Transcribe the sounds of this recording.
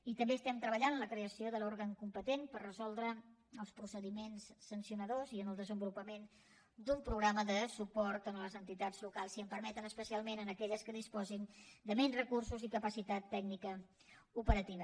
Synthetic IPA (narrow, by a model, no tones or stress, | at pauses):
it̪əmbeəst̪ɛmt̪ɾəβ̞əʎanənləkɾeəsioðəloɾɣəŋkumpət̪enpərrəzɔlˠd̪ɾəəlˠspɾusəðimensːənsiunəðoziənəlˠd̪əzəmbulupəmen | d̪umpɾuɣɾaməðəsupɔɾt̪ənələzənt̪it̪ad͡zlukalˠsiəmpəɾmɛt̪ənəspəsialˠmenənəkɛʎəskəðispɔzind̪əmɛnzrəkursuzikəpəsit̪at̪ːɛɡnikə | upəɾət̪iβə